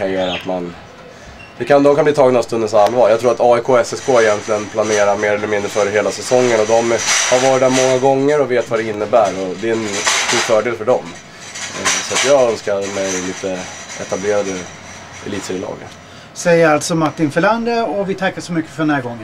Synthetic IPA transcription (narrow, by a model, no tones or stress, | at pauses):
kʰaɾjæːɾat̪man | d̪̥ɛkʰand̪ɔmkʰanbliːt̪ʰɑːɡnavst̪ɵnənsalːvɑːɾjɑɡt̪ʰɾuːɾat̪ɑːɪkʰoːɛsɛskʰoːɛjɛnt̪lɪɡənpʰlaneːɾaɾmeːɾɛlːəɾmɪnd̪ɾəfœːɾəɦeːlasɛsɔŋːənɔd̪ɔmhaɾvɑːɾɪt̪̚d̪æɾmɔŋːaɡɔŋːəɾɔveːt̪vad̪ɛɪnːəbæːɾɔd̪ɛɛnst̪uːɾfœːɖeːlfœɖɔm | sɔat̪jɑːœnskaɾmɛjliːt̪əʔɛ̰t̪ableːɾad̪ə | ʔɛ̰liːt̪sɛlɑ̰ːɡə̰ | sɛjːəɾalt̪sɔmaʈːɪnfœɭand̪əɔvɪt̪ʰakːaʂɔmʏkːə̥fœɖɛndæːɾɡɔŋːən